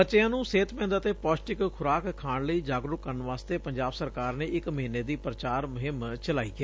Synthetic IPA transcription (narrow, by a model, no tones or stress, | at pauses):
ət͡ʃɪjãːnũːseːt̪pɛ̃ːnd̪aət̪eːpɔːsʈɪkkʰʊɾaːkʰːaːɽləiːd͡ʒaːɡɾʊkːəɾnʋaːst̪eːpəɲd͡ʒaːbsəɾkaːɾneːɪkməɦiːneːd̪iːpɾət͡ʃaːɾmʊɦɪmt͡ʃəlaːiːkeː